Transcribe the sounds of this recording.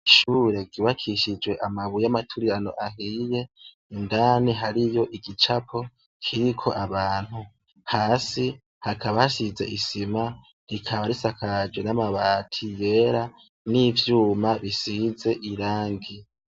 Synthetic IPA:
iʃuːɾe̞ɡɡiβakʰiʃid͡ʒwe̞ʔamaβujamatʰuɾiɾano̞̰ʔaɦiːje̞ | indaniɦaɾijo̞ʔiɡit͡ʃapʰo̞ | kʰiɾikʰo̞ʔaβaːn̥hu | haːsi | hakʰaβahasize̞̰ʔisima | ɾikʰaβaɾisakʰad͡ʒwenamaβaːtʰije̞ːɾa | nivjuːmaβisize̞ʔiɾaːŋɡi

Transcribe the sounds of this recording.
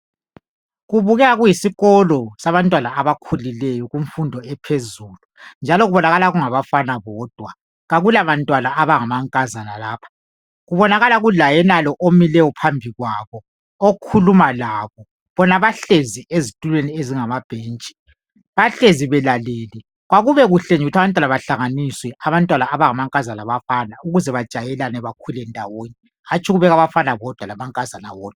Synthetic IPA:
ɣuβuɣɛaɣujisiɣɔlɔsaβantʼwanaːβakʰulilɛjɔɣuɱfundʱɔɛpʰezuːlund͡ʒʱalɔɣuβɔnaɣalaɣuŋaβafanaβɔːd̥ʱwa | ɣaɣulaβantʼwanaʔaβaŋamaŋkʼazanalaːpʰḁ | ɣuβɔnaɣalaɣulajɛnalɔʔomilɛjɔpʰambʱiɣwaβɔ | okʰulumalaβɔ | βɔnaβaɬeziezitʼulwenieziŋamab̥ʱeːnt͡ʃʼi̥ | βaɬeziβɛlaleːli | ɣwaɣuβɛɣuɬeɲuutʰaβantʼwalaβaɬaŋaniswɛaβantʼwanaːβaŋamaŋkʼazanaβafanauɣuzɛβad̥ʒ̥ʱajɛlanɛβakʰulɛndʱa̰woːni | hat͡ʃʰʼiɣuβɛɣaβafanaβɔd̥ʱwalamaŋkʼazana̰wɔːd̥̚ʱwa

